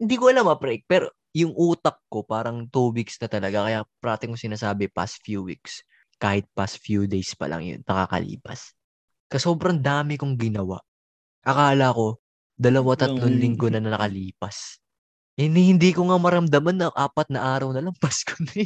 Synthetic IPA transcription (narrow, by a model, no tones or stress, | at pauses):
hɪnd̪iːkoɐlamɐpɾɛk̚pɛɾo | jʊŋʔuːt̪ɐk̚ko̞paːɾɐŋt̪uːwiksnɐt̪ɐlɐɡakɐjapɾaːt̪ɪkoŋsɪnaːsaːbɪpa̰st̪̚fjuːwḭks | kaːhɪt̪̚past̪̚fjud̪ejspɐ̰lɐ̰ŋjʊ̰nːɐka̰ːkɐ̰lḭːpɐ̰s | kɐso̞ːbɾɐŋd̪aːmɪkʊŋɡɪnɐwa̰ʔ | ʔɐkaːlɐko̞ | d̪ɐlɐwat̪ɐt̪lonlɪŋɡo̞nɐnɐnɐ̰kɐliːpɐs | hɪnihɪnd̪iːkoŋamɐɾɐmd̪ɐmanːɐʔaːpɐt̪̚nɐʔaːɾɐwnɐlɐŋpaskʰo̥nɛ